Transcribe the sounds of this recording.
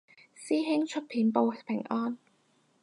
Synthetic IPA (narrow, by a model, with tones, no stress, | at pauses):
siː˥ɦɪ˥ŋt͡ʃʰɵ˥t̚pʰiː˨˥npo˧wpʰɪ̰˨˩ŋʔɔː˥n